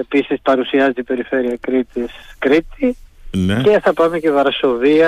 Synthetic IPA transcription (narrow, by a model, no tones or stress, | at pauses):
episispɐɾusiɐzet̪ipe̞ɾife̞ɾiɐkɾit̪iskɾit̪ince̞θɐpɐmecevɐɾso̞viɐ